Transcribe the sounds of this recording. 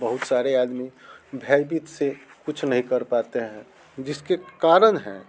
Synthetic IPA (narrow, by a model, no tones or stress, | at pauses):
bəɦʊt̪saːɾeaːd̪mibʱaːjbit̪sekʊt͡ʃʰnəɦĩkəɾpaːt̪eɦɛ̃ | d͡ʒɪskekaːɾənɦɛ̰̃